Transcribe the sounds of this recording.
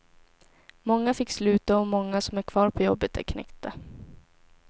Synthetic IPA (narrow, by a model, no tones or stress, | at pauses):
mɔŋːafɪkːslʉ̟ːt̪aɔmɔŋːasɔmæɾkʰvɑːɾpʰɔjɔbːət̪æ̰ɾkʰnɛ̰kt̪a